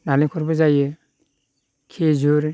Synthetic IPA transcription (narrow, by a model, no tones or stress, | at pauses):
nanikʰɔɾbɯzajɯ | kʰezuɾ